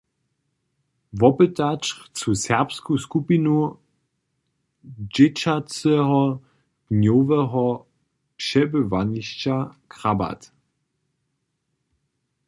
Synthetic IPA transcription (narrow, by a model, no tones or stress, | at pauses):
vɔpətat͡ʃχt͡susɛʁpskuskupinu | d͡ʒɪt͡ʃat͡sɛɦɔ | d̥njovɛɦɔ | pʃɛbəvaniɕt͡ɕakʁ̥aba̰t